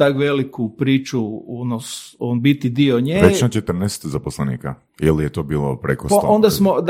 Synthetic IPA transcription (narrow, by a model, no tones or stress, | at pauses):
t̪akʋelikupɾiːt͡ʃuonosonbit̪id̪ioɲeʋet͡ʃnat͡ʃet̪r̩nɛːst̪zaposlˠenḭːka | ilijet̪oːbiːlˠo̰pɾekospaond̪asmo